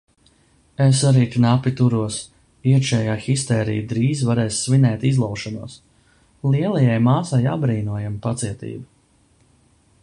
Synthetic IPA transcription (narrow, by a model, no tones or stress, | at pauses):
es̬aɾiːt̪inapʲit̪uɾuɔs | iɛkʃɛːjaːxist̪ɛːɾijd̪ɾiːzvaɾɛːssvinɛːt̪izlˠawʃɔnuɔs | lˠiɛlˠajajmaːsajabɾiːnuɔjampat̪siɛt̪ḭːbi